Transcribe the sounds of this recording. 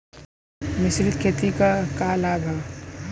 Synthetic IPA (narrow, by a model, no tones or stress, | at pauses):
mɪsɾɪt̪kʰet̪ikakalaːbʱa